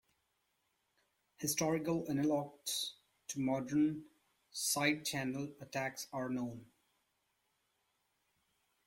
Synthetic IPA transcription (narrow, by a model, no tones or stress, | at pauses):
hɪsʈɔɹɪkələnəlɔk̚ʈs | tʰumɔɖəɹn | saɪɖ̚t͡ʃʰæ̃nələʈʰæksəɹnõʊ̃n